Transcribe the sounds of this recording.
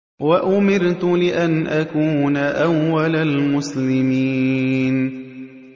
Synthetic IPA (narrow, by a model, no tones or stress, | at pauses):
waʔʊmɪɾt̪ʊlɪʔanʔakuːnaʔawːalalmʊslɪmiːn